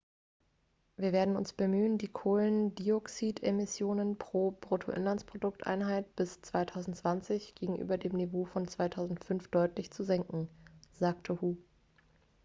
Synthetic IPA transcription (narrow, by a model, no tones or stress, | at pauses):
viːɐveːɐdn̩ʊ̰nsb̥əmyːəndiːkʰoːləndiɔksiːtʰemɪsjoːnənpʁ̥oːb̥ʁotʰo̰ʔɪ̰nlant͡spʁ̥odʊktʔa̰ɪnɦaɪtb̥ɪst͡sv̥aɪtʰaʊzn̩tt͡sv̥ant͡sɪçɡ̥eːɡŋ̩ʔy̰ːbɐdeːmnevoːfɔnt͡sv̥aɪtʰaʊzn̩tfʏnfd̥ɔʏtlɪçt͡suzɛŋkŋ̩z̥aːktʰəhuː